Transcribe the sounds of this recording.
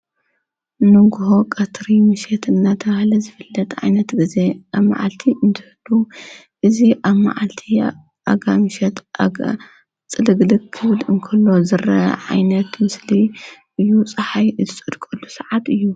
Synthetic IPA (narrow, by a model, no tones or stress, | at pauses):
nɨɡuho̞kʼɐt̪ɾimɨʃet̪ɨnːat̪ʰɐβahlɐzɨfɨlːɐt̪ʰʼʕa̰jnɐt̪ɡize̞ʔaβma̰ʕa̰lt̪ʰiɨnt̪ʰɨ̥hɨlːu | ʔɨziʔaβma̰ʕalt̪ʰi | a̰ɡamɨʃɛt̪a | t͡sʼɨlɨɡlɨkʰːɨβlɨŋkʰɐlːo̞zɨɾɐ̰ʕa̰jnɐt̪mɨsliʔɨjːut͡sʼɐħajɨzɨt͡sʼɨd̪kʼɐlːusɐʕat̪ɨjːu